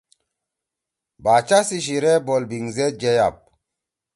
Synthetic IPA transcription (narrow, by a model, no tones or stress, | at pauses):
bat͡ʃasiʃ̬iɾebolbiŋzed͡ʒejap̚